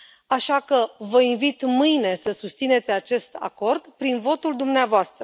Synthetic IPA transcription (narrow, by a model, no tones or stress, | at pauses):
aʃakəvəinvit̪mɨjne̞səsust̪sine̞t̪sʲat͡ʃe̞st̪a̰ko̞rd̪pɾinvo̞t̪uld̪umneavoast̪ɾə